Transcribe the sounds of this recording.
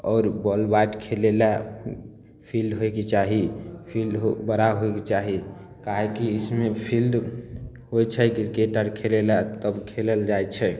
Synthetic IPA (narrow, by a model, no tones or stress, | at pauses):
ɔːɾbɔlbaʈkʰelela | pʰilɖɦoeket͡ʃaɦipʰilɖɦobəɾaɦoket͡ʃaɦi | kaɦekiismepʰild | ɦojt͡ʃʰɛɡiɾkeʈəɾkʰelelat̪əbkʰeləld͡ʒajt͡ʃʰɛ